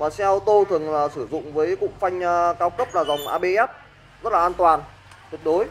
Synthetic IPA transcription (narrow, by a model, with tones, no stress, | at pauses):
vaː˨˩sɛ˧ʔt̪o˧t̪ʰɨ˨˩ə˩ŋlaː˨˩sɨ˧˩zʊ̰˧˨ŋ͡mvəː˨˦jkʊ̰˧˥ŋ͡mfa˧jŋ̟˧kaː˨˧˩wkə˦˥p̚laː˨˩za˨˩wŋ͡mʔaː˧ɓe˧ʔɛ˦˥t̚ | zə˦˥t̚laː˨˩ʔːnt̪waː˨˩n | t̪i˨˩k̚ɗo˨˦j